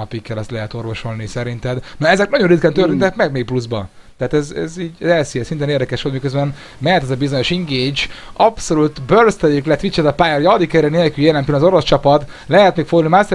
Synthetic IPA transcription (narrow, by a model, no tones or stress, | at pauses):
ɒpikːɛlɛst̪lɛɦɛt̪o̞rvo̞ʃo̞lnisɛɾint̪ɛd̪nɔɛzɛknɒɟonrit̪̚kɛnt̪ørt̪int̪ɛkmɛɡ̚meːk̚pluzbɒ | t̪ɛaːt̪ɛzɛ̰ziːɟɛzɛlsijɛsint̪eːneːrd̪ɛkɛʃʋolt̪mikøzbɛn | mɛt̪ɛzɒbizo̞ɲo̞ʃiŋɡeːt͡ʃɒpso̞lut̪børst̪ɛjiklɛt̪ːʋit͡ʃːɛt̪ɒpaːjɛrjɒd̪ikɛɾɛneːlkyljelɛnk̪ylnɒzo̞ɾo̞st͡ʃɒpɒt̪ | lɛɦɛt̪neːkfoɡlnimaːse